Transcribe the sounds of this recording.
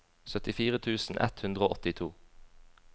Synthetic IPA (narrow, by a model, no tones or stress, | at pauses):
sœt̪ɪfiːʁət̪ʰʉːsn̩ʔɛ̰t̪hʉnd̪ʁəoːʔɔt̪ɪt̪ʰuː